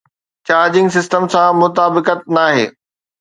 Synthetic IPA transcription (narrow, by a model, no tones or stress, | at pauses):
t͡ɕaːɾd͡ʑɪ̃ŋɡsɪsʈəmsãmʊt̪aːbɪkət̪̚naːɦḛː